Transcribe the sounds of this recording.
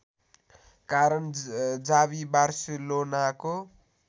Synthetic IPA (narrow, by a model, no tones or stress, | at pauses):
kaɾʌnd͡zaβibarsilonako